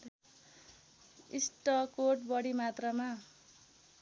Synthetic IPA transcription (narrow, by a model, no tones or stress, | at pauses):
isʈʌkoʈbʌɽimat̪rʌma